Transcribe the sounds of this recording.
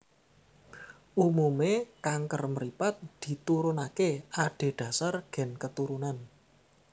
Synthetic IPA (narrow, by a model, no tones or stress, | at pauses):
ʔumumekaŋkərməɾipat̪̚d̪̥i̤t̪uɾunakeaɖ̥e̤ɖ̥ä̤sarɡ̥ɛ̤nkət̪uɾunan